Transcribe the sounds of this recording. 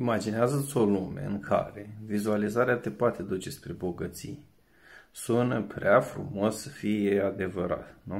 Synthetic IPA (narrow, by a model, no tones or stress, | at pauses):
imad͡ʒineazət̪sʲo̞lume̞̰ɨ̰ŋkʰa̰ɾe̞vizualizaɾeat̪epoat̪e̞d̪ut͡ʃe̞spɾe̞bo̞ɡət̪sḭj | sunəpɾeafɾṵmo̞sːəfije̞ad̪e̞vəɾa̰t̪nu